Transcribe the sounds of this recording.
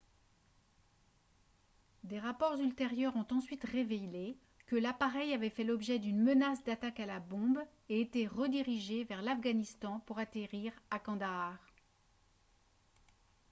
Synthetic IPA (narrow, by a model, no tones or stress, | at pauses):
d̪eʁapɔʁzylt̪eʁjœʁɔ̃t̪ɑ̃sɥit̪ʁevele | kəlapaʁɛjavɛfɛlɔbʒɛd̪ynmənasd̪at̪akalabɔ̃b | eːt̪eʁəd̪iʁiʒevɛʁlafɡanist̪ɑ̃puʁat̪eʁiʁakɑ̃d̪aʁ